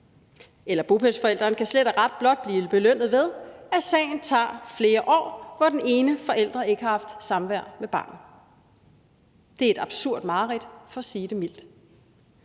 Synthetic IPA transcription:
elɐb̥upʰesfɒ̽el̰d̥ʁɐːnkʰæsled̥æʁɑ̈d̥̚b̥lɒ̽d̥̚b̥liːb̥e̝løn̰ð̩ˠʋe̝ðˠæsɛ̰ɪn̩t͡sʰɑ̰̈ːfle̝ːɐʔɒ̰ːʋɒd̥ene̝ːnəfɒ̽ʔel̰d̥ʁɐe̝ɡ̥əhɑ̈hɑ̈fd̥sɑ̈mʋæɐ̰meb̥ɑ̈ːn̩ | d̥eæɐe̝d̥ɑ̈b̥suɐ̰d̥mɑ̈ːʁid̥fɒ̽siːd̥emil̰d̥

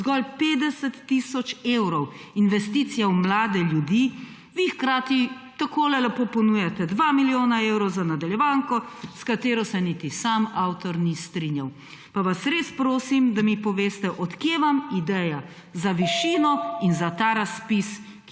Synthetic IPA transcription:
zɡɔlpeːd̪ɛsɛt̪ːisɔt͡ʃeːwɾɔwinʋɛst̪it̪sijawmlaːd̪ɛljud̪i | ʋixkɾaːt̪it̪akoːlɛlapoːpɔnujat̪ɛd̪ʋamiljoːnaewɾɔwzanad̪aljɛʋaːŋkɔskat̪eːɾɔsɛnit̪isamawt̪ɔɾnist̪ɾinjaw | paʋasɾespɾoːsimd̪amipɔʋeːst̪ɛʔɔt̪kjeʋamid̪ɛja | zaʋiʃiːnɔinzat̪aːɾaspis

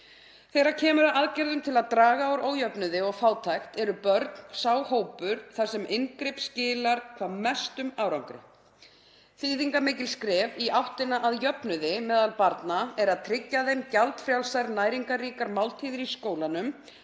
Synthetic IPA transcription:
θejɾacʰɛːmʏɾaʔaðcɛɾðʏmt̪ʰɪlaðt̪ɾaːɣaowɾoːwjœpnʏðɪɔɣfaːwt̪ʰajxt̪ɛɾʏpœɾt̪n̥saːwhoːwpʏɾ̥θḁsɛmʔɪnkɾɪpscɪːlaɾ̥kʰvaːðmɛst̪ʏmawɾawŋkɾɪ̰ | θiːðiŋkamɪːcɪlskɾɛːviʔawht̪ɪnaʔaðjœpnʏðɪmɛːðalpaɾt̪naɛɾaðt̪ʰɾɪcːaðejmcalt̪fɾjawlsajɾnaːjɾiŋkariːkaɾmawlt̪ʰiːðɪɾiskoːwlanʏm

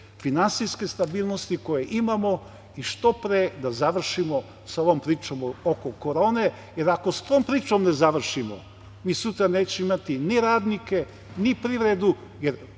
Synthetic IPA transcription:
finansiske̞st̪abiːlˠno̞st̪iko̞jeʔimamo̞ | iʃt̪opɾed̪azaʋr̩ʃimo̞ | saoʋompɾiːt͡ʃomokokoɾoːne | je̞ɾako̞st̪oːmpɾiːt͡ʃomne̞zaʋr̩ʃimo̰ | miːsut̪ɾaneːt͡ɕeimat̪iniɾaːd̪nike̞ | nipɾiːʋɾed̪u | jeɾ

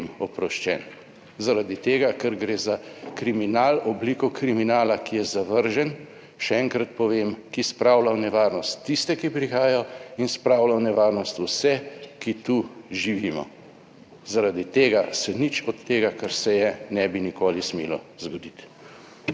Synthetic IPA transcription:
mɔpɾɔʃt͡ʃɛ̰n | zaɾad̪it̪eːɡakɛɾɡɾeːzakɾiminalɔbliːkɔkɾiminaːlakijɛzaʋəɾʒɛn | ʃɛɛŋkɾat̪̚pɔʋemkispɾaːwlawnɛʋaːɾnɔst̪ːist̪ɛkipɾixaːjainspɾaːwlawnɛʋaːɾnɔst̪usɛkit̪uʒiʋiːmɔ̰ | zaɾad̪it̪eːɡasɛnit͡ʃɔt̪ːeːɡakaɾsɛjɛnɛbinikoːlismeːlɔzɡɔd̪it̪

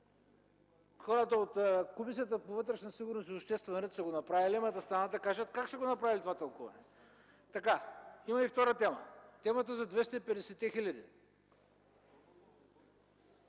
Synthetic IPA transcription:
xɔɾət̪əot̪komisiət̪̬əpovɤt̪ɾɛʃnɐsiɡʊɾnosiopʃt̪ɛst̪vɛnɐɾɛt̪sɐɡonɐpɾavilimɐt̪ɐst̪ɾanad̪ɐkaʒət̪kakʃst̪ɛɡonɐpɾavʲilʲit̪ovat̪ɐlˠkuvɐ̰nɛ | t̪ɐkaimɐift̪ɔɾət̪ɛmɐ̰t̪ɛmɐt̪əzɐd̪vɛst̪əipɛd̪ɛsɛt̪ːɛxilʲɐd̪ḭ

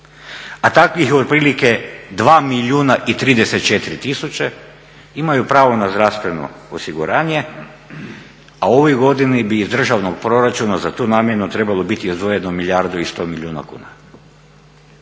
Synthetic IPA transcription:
at̪akʋixod̪̚pɾiːlike̞d̪ʋaːmiʎluːnaʔit̪ɾiːd̪e̞set̪̚t͡ʃe̞t̪iɾit̪isut͡ʃe | imajupɾaːʋo̞nazd̪ɾafst̪ʋe̞no̞̰ | osiɡuɾaːɲe̞ | ao̞ʋojɡo̞d̪inibiːzd̪r̩ʒaʋnoɡ̚pɾo̞ɾat͡ʃunazat̪uːnaːmjenut̪ɾe̞balˠo̞bit̪iizd̪ʋo̞je̞nomilʲiaɾd̪uist̪o̞ːmilʎʲuːna̰kṵːna

